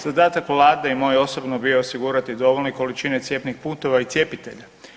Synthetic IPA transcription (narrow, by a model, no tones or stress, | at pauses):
z̥ad̪aːt̪akʋlˠaːd̪eimo̞ːjo̞sobnobijo̞osiɡuːɾat̪id̪o̞ʋo̞ʎneko̞lit͡ʃine̞t̪sje̞pnixpuːt̪o̞ʋait̪sje̞pit̪e̞ʎa